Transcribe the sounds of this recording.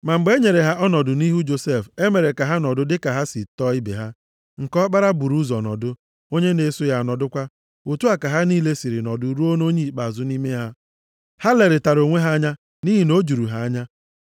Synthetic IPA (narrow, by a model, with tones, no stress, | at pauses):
ma˨ŋ͡m̩˨ɡ͡be˦ɲe˨ɾe˨ɦa˦ʔɔ˦nɔ˨dʊ˨ni˦ɦu˦d͡ʒo˨se˦˨fe˦me˨ɾe˨ka˨ɦa˦nɔ˨dʊ˦dɪ˦ka˨ɦa˦si˨tɔ˦i˦bḛ˨ɦa˦ | ŋ̩˨kɔ˦k͡pa˦ɾa˦bu˨ɾu˦zɔ˨nɔ̰˨dʊ˦ | o˦ɲe˦ne˨˦sʊ˦ja˨nɔ˨dʊ˦kʷa˦ | u˨tu˦a˨ka˨ɦa˦niː˦le˦si˨ɾi˨nɔ˨dʊ˦ɾu˦o˦no˦ɲi˦˨k͡pa˨zʊ˦ni˦me˦ɦa˦ | ha˦le˨ɾɪ˨ta˨ɾo˨ŋʷe˦ɦa˦a˦ɲa˦ | ni˦ɦi˨no˦d͡ʒu˨ɾu˨ɦa˦a˦ɲa˦